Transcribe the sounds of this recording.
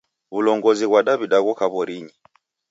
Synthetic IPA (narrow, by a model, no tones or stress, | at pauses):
βulɔŋɡɔziɣwaɗaβiɗaɣɔkaβɔɾiɲi